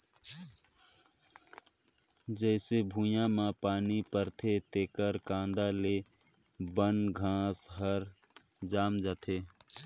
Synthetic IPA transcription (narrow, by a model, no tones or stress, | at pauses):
d͡ʒɛːsebʱũjãmãpaːnipəɾt̪ʰet̪eːkəɾkãːnd̪aleː | bənɡʱãːsɦəɾ | d͡ʒaːmd͡ʒaːt̪ʰeː